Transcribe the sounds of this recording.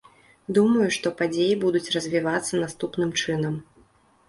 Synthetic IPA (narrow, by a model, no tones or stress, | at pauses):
d̪umɐjuʂt̪ɔpad͡zʲejibud̪ut͡sʲrɐzʲvʲivat̪sːɐnast̪upnɨmt͡ʂɨnɐm